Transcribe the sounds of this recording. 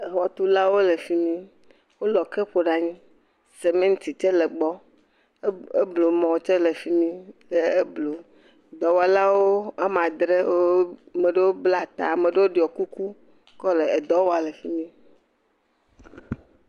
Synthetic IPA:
e˨ɦɔ˨t̪u˦la˦wo˦le˨fi˦mĩ˦ | wo˦lɔ˨ke˦ɸo˨ɖa˨ɲĩ˦ | se˨mẽ˦ŋ̩̃˦t̪i˨t͡ʃe˦le˨ɡ͡bɔ˦ | e˦blo˨mɔ̃˨t͡ʃe˦le˨fi˦mĩ˦le˨e˦blo˨ | d̪ɔ˨wa˨la˦wo˦e˦mã˨d̪ɾe˦me˨ɖe˦wo˦bla˦˨t̪a˨mẽ˨ɖe˦wo˦ɖi˨ɔ˨ku˦ku˦ | kɔ˦le˨e˨d̪ɔ˦wo˦a˨le˨fi˦mĩ˦

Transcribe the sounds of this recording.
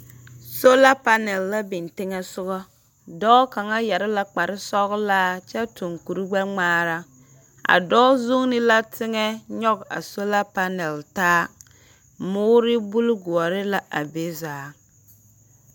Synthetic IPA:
so˦la˦pa˦nɛ˨lːa˦bɪ˨ntɪ˦ŋɛ˦sʊ˦ɣɔ˦ | dɔː˦ka˨ŋa˦jɛ˨ɾɪ˦la˦k͡pa˨ɾɪ˦sɔ˦ɣlaː˦t͡ʃɛ˦tu˨ŋku˨ɾu˦ɡ͡bɛ˦ŋ͡maː˦ɾa˦ | a̰˨dɔː˦zu˦ŋnɪ˦la˦tʰɪ˦ŋɛ˦ɲɔ˦ɡa̰˨so˦la˦pa˦nɛ˨ltaː˦ | mʊː˦ɾɪ˦bu˦lɡu˨ɔ˨ɾɪ˦la˨ʔa˨be˦zaː˨˦

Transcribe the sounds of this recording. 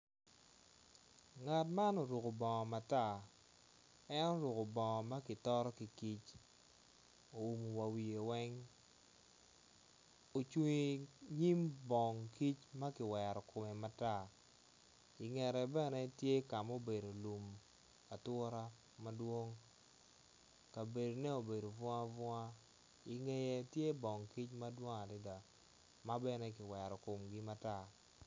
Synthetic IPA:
ŋa˨tma˦no˨ɾu˨ko˨bɔ˨ŋɔ˨ma˨ta˦˨ | ɛ˦nɔ˦ɾʊ˨ko˨bɔ˨ŋɔ˨ma˦kɪ˨tɔ˦ɾɔ˦ki˨ki˦t͡ʃ | o˨u˨mu˨wa˨wi˨e˨wɛ˦ŋ | o˨t͡ʃu˦ŋi˨ɲi˦mbɔ˨ŋki˦t͡ʃma˦kɪ˨wɛ˨ɾɔ˨kʊ˨mɛ˨ma˨ta˦˨ | ɪ˨ŋɛ˨ɾɛ˨bɛ˦nɛ˦tje˦ka˨mo˦be˨do˨lu˨m | a˨tɔ˦ɾa˦ | ma˦dwo˦ŋ | ka˨be˨do˨nɛ˦o˨be˨do˨vɔ˦a˦vɔ˦a˦ | ɪ˨ŋe˦jɛ˦tje˦bɔ˨ŋki˦t͡ʃma˦dwo˦ŋa˨dɪ˦da˨ | ma˦bɛ˦nɛ˦kɪ˨wɛ˨ɾɔ˨kʊ˨mɡɪ˦ma˦ta˦

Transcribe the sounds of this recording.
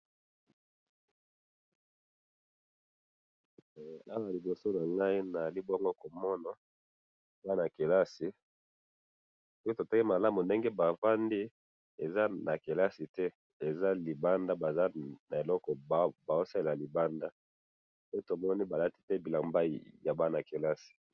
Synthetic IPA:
a˦wa˨li˨bo˨so˦na˨ŋɡa˦i˦na˨li˦bɔ˦ŋɡo˦ko˨mɔ˦na˨ | za˦na˨ke˨la˦si˨ | so˦ki˦to˨ta˦ki˦ma˨la˦mu˨nde˦ŋɡe˦ba˨fa˦ndi˦ | e˨za˦na˨ke˨la˦si˨tɛ˦ | e˨za˦li˨ba˦nda˦ba˨za˦na˨e˨lɔ˦kɔ˨bba˨o˦sa˦le˨la˨li˨ba˦nda˦ | pe˦to˨mɔ˦ni˦ba˨la˦ti˦tɛ˦bi˨la˨mba˦˨ja˨ba˦na˨ke˨la˦si̥˨

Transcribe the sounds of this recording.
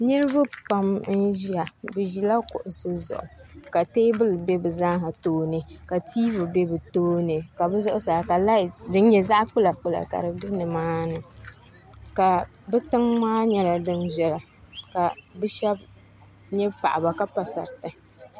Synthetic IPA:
nɨ˦ɾɨ˦ba˦pa˨˦mn̩˦ʒi˦a˨bɨ˨ʒi˨la˦kʊ̰˨ʔʊ˨sɨ˦zʊ̰˨ʔʊ˨ka˨teː˦bɨ˦lbe˦bɨ˨za˦ɦa˨toː˦nɨ˨ka˨tiː˦vɨ˨be˦bɨ˨toː˦nɨ˨ka˨bɨ˦zʊ˦ʔʊ˦sa˨ka˨la˦ɪ˨dɨ˦n˦jɛ˦za˦ʔk͡pu˦la˨k͡pu˦la̰˨ka̰˨ɾɨ˨bɨ˦nɨ˨maː˦nɨ˨ | ka˨ | bɛ˦tɨ˦ŋmaː˦ɲɛ˦la˨dɨ˦nʒɛ˦la˨ | ka˨bɨ˦ʃɛ˦b | ɲɛ˦pa̰˨ʔa˨ba˨ka˦pa˨sa̰˨ɾtɨ˨

